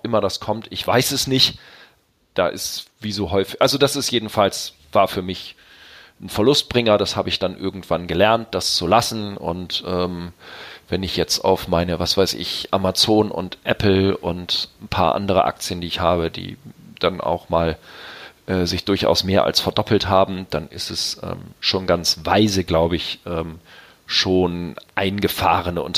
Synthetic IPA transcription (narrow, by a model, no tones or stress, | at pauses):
ʔɪmɐdaskʰɔmtɪçv̥aɪsɛsnɪçt | d̥a̰ːʔɪ̰sviːzoːɦɔʏfɪʔalzodasɪstjeːdn̩fals | v̥aːɐfyːɐmɪç | n̩fɛɐlʊst̚b̥ʁɪŋɐdashaːbəɪçd̥anʔɪɐɡŋ̩tv̥anɡəlɛɐnt̚d̥ast͡sulasn̩ʊ̰ntʔɛːm | vɛnɪçjɛt͡sta̰ʊfmaɪnəvasv̥aɪsɪ̰çʔamat͡soːnʔʊ̰ntʔɛ̰pl̩ʊ̰ntn̩pʰa̰ːɐʔa̰ndəʁ̞ə̰ʔa̰k̚t͡sjəndiːɪçhaːbədḭːd̥anʔa̰ʊxmaːl | ʔɛːzɪçd̥ʊɐçʔa̰ʊsmeːɐʔa̰lsfɛɐdɔpʰl̩thaːbm̩d̥anɪstɛsʔɛ̰ːmʃoːnɡant͡svaɪzəɡlaʊbəɪçʔɛːm | ʃoːnʔaɪnɡəfaːʁ̞ənəʊnt